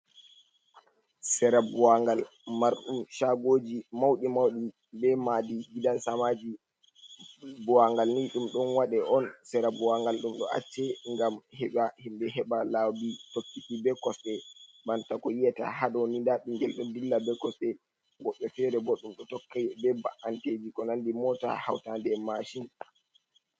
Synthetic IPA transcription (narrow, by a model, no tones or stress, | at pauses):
sɛɾabuwaŋɡal | maɾɗumʃaɡoːd͡ʒimawɗimawɗi | bɛmadiɡidansamad͡ʒi | buwaŋɡalniɗumɗɔnwaɗɛʔɔnsɛɾabuwaŋɡalɗumɗɔ̰a̰t͡ʃːɛŋɡamhɛɓahimbɛɦɛɓalawditokːitibɛkɔsɗɛbantakɔjijɛta̰haɗɔwnindaɓiŋɡɛlɗɔndilːabɛkɔsɗɛ | ɡɔɗːɔfɛɾɛboɗumɗɔtɔkːajbɛbaʔanted͡ʒikɔnandimɔta̰ha̰wtandɛmaʃin